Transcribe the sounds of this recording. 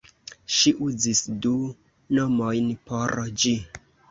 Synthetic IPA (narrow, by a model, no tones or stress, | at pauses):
ʃiʔuzisdu | nomojnpoɾd͡ʒi